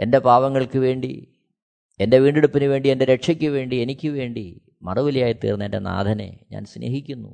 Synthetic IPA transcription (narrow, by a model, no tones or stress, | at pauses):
e̞nde̞paːʋɐŋːɐɭkɨʋe̞ːɳɖḭ | ende̞ʋiːɳɖeɽupːinuʋe̞ːɳɖie̞nde̞ɾeʈʂɐkʲːɨʋe̞ːɳɖie̞nikʲːɨʋe̞ːɳɖi | mɐruʋilijaːjit̪ːḭːrnːendena̰ːd̪ʱɐnḛɲa̰ːnsnʔḛːɦikʲːunːṵ